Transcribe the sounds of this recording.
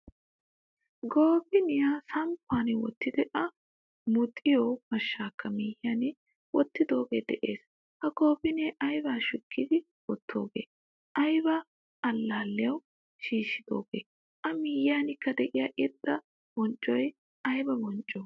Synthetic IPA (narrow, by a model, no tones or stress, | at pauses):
ɡo̞ːbɪnɪjaːsɐmpʰːaːnɪwɔ̰t̪ːɪd̪ɛʔɐ | mʊt̪ʼːɪjoːmɐʃːaːkːɐmiːjaːnɪ | wɔt̪ːɪd̪o̞ːɡeːd̪ɛʔe̞̰ːs | hɐɡo̞ːbɪneʔɐjbaːʃʊkʰːɪd̪ɪ | wɔt̪ʰːo̞̰ːɡḛː | ʔɐjbɐː | lːaːlːɪjɐw | ʃiːʃːɪd̪̥o̞̰ːɡḛː | ʔɐmiːjaːnɪkːɐd̪ɛʔɪjaːʔɪd̪ːɐ | b̥ɔnt͡ʃʼːɔj | ɐjbɐbɔnt͡ʃʼːɔ